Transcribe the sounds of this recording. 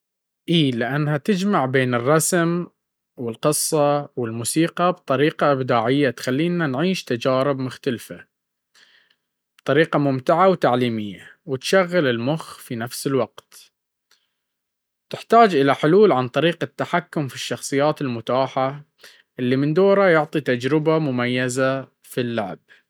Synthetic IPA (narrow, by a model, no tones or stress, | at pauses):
ʔiːlɪʔanːhat̪ɪd͡ʒmaʕbeːnɨrˤːɑsm | wɪlqɨsˤːɑwɪlmuːsiːqɑbt̪ˤɑɾiːqɑʔɪbd̪aːʕɪjːat̪xalːiːnanʕiːʃt̪ad͡ʒaːɾɪbmʊxt̪alfa | b̥t̪ˤɑɾiːqɑmʊmt̪ɪʕawt̪aʕliːmɪjːawɪt̪ʃaɣːalɪlmʊxfinafsɪlwaqt̪ | t̪ɪħt̪aːd͡ʒʔɪlaħʊluːlʕant̪ˤɑɾiːqat̪ːaħakːʊmfiʃːɑxsˤɨjːaːt̪ɪlmʊt̪aːħa | ʔɪlːimɪnd̪oːɾajʊʕt̪ˤit̪ad͡ʒɾɪbamʊmajːaza | filːaʕb̚